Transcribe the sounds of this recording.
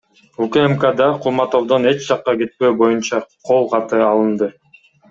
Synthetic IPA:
ukaemkad̪ɑqʰulˠmɑt̪o̞wd̪o̞ne̞t͡ʃd͡ʒɑqːɑɡe̞t̪̚pø̞ːbo̞junt͡ʃɑqʰo̞lˠqʰɑt̪ɯɑlˠɯnd̪ɯ

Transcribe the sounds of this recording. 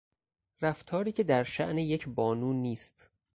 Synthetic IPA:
ɾæft̪ʰɒːɾiːcʰe̞d̪æɾʃæʔnejecʰbɒːnuːniːst̪

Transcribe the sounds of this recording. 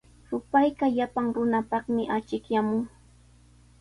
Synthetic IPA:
sʊpajkaʎapaŋɾʊnapɑχmɪʔat͡ʃɪkjamʊŋ

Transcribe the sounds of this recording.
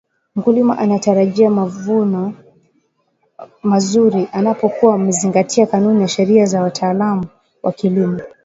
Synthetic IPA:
m̩kulima̰ʔanataɾaʄiamavunɔ | mazuɾiʔanapɔkuwam̩ɛziŋɡatʰiakanunijaʃɛɾiazawatʰaːlamu | wʔakilimɔ

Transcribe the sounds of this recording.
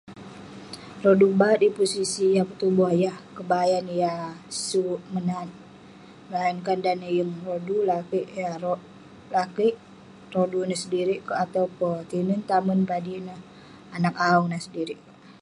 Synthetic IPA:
rodubat̪̚dipusisijapət̪ubahjahkəbajanjasuʔmənan | məlajankandanəjəŋrodulakiʔjaro | lakəʔ | rodunasədiɾiʔkəat̪aupɔt̪inənt̪amənpadinah | anakauŋnahsədiɾiʔkə

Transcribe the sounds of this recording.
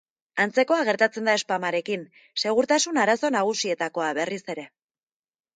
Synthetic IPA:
ant͡se̞ko̞aɣ̞e̞ɾt̪at͡se̞nd̪ae̞spamaɾe̞kin | se̞ɣ̞uɾt̪asunaɾaso̞naɣ̞usie̞t̪ako̞aβe̞rise̞ɾe̞

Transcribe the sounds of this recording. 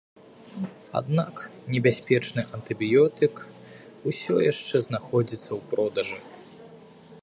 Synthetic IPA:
a̰d̪naknʲɛbʲasʲpʲɛt͡ʂnɨʔɐnt̪ɨbʲjɔt̪ɨk | usʲɔjaʂt͡ʂɛznaxɔd͡zʲit̪sːɐwpɾɔd̪ɐʐɨ

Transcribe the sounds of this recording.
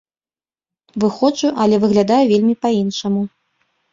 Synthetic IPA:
vɨxɔt͡ʂuʔɐlʲɛvɨɣlʲad̪ajuvʲelʲmʲipɐinʂɐmu

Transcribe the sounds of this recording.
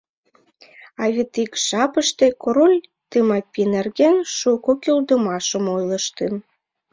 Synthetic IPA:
ɑβet̪ikʃɑpəʃt̪e̽koɾolʲt̪ɨmɑpʲinerɣenʃukokʲøld̪əmɑʃəmojləʃt̪en

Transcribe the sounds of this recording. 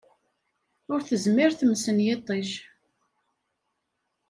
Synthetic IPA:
ʊɾθəzmɪɾθəmsənjet̪ˤːiʃ

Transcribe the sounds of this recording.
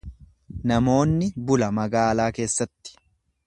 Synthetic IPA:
nɐmo̞ːnːɪbʊlɐmɐɡaːlaːke̞ːsːɐt̪ːɪ̥

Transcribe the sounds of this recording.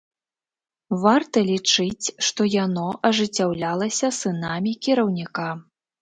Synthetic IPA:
vart̪ɐlʲit͡ʂɨt͡sʲʂt̪ɔjanɔʔɐʐɨt͡sʲːawlʲalˠɐsʲɐsɨnamʲikʲiɾɐwnʲika

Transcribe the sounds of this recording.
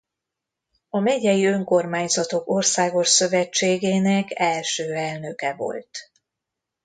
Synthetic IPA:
ɒmɛɟɛjiø̞ŋko̞rmaːɲzɒt̪o̞ko̞rsaːɡo̞ʃsø̞vɛt͡ʃːeːɡeːnɛkɛlʃøːɛlnø̞kɛvo̞̰lt̪

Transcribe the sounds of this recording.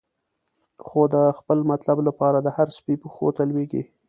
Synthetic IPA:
xod̪əxpəlmat̪lablapɑɾad̪əhaɾspipəxo̰t̪alweɡḭ

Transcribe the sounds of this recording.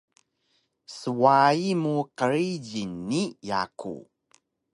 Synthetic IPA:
səwaimuqəɾiɟinːija̰kṵ

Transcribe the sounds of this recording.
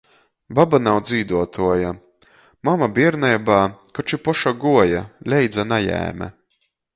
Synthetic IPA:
babanawd̪ziːd̪uɔt̪uɔja | mamabiɛɾnajbaːkɔt͡ʃipɔʃaɡuɔjalʲɛjd̪zanajæ̰ːmʲæ̰

